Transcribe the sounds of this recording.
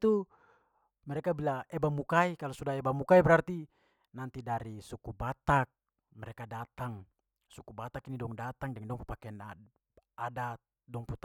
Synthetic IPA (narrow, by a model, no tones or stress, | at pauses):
t̪u | mɛɾɛkabilaɛbamukaikalosudaɛbamukaibəɾart̪i | nant̪idaɾisukubat̪ak̚ | mɛɾekadat̪aŋ | sukubat̪akinidɔŋdat̪aŋdɛŋdɔŋpupakɛna | ada | dɔŋput̪